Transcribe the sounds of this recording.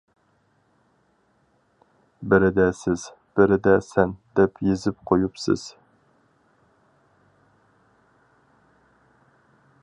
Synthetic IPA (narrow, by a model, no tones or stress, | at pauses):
bɪɾɪd̪ɛsɪz̥ | b̥ɪɾɪd̪ɛsɛnd̪ɛpjezɪp̚qʰojupsɪ̰z̥